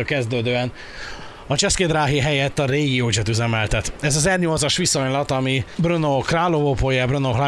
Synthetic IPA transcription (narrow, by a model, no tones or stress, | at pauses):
kɛzd̪øːd̪øːɛn | ɒt͡ʃɛskeːd̪raːɦiɦɛjɛt̪ːɒɾeːɡijoːd͡ʒɛt̪yzɛmɛlt̪ɛt̪ɛzɒzɛrɲo̞lt̪sɒʃʋisoɲlɒt̪ɒmibrønokraːlovopojɛbrønokla